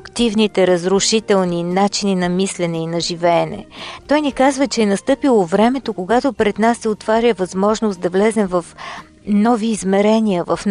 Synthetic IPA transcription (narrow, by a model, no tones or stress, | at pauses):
kt̪ivnit̪ɛɾɐzɾʊʃit̪ɛlˠninat͡ʃininɐmislɛnɛinɐʒivɛːnɛ̰t̪ɔjnikazvət͡ʃɛːnɐst̪ɤpilˠovɾɛmɛt̪okoɡat̪opɾɛd̪nasːɛot̪vaɾʲjəvɐzmɔʒnosd̪ɐvlɛzɛmvɐf | nɔviːzmɛɾɛniəvɐfn